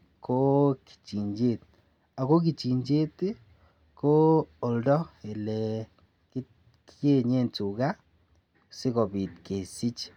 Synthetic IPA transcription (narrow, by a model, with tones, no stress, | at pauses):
ko˦ki̥˨t͡ʃi˨ɲd͡ʒe˦t | a˨ko˦ki˨t͡ʃi˨ɲd͡ʒe˦ti˦ | koː˦˨ldo˦e˨le | ki˦ | e˦ɲe˦˨ntu˨ka˦ | si˦ko˨βi˨tke˨si˦t͡ʃi̥˨